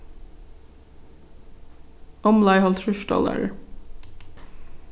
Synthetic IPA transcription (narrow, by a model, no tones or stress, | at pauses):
ʔɔmlɑɪhɔlt̪ʰɹʉʃʈɔ̰lə̰ɹ